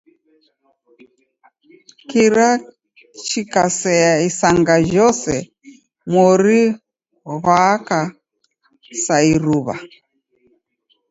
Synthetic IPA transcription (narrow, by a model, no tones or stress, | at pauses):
kiɾa | t͡ʃikasɛaisaŋɡaʒɔsɛ | mɔɾi | βaka | saiɾuβa̰